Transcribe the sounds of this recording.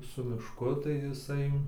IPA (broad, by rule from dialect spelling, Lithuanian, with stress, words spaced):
sʊ mʲɪʃˈkʊ tɐɪ jɪˈsɐɪ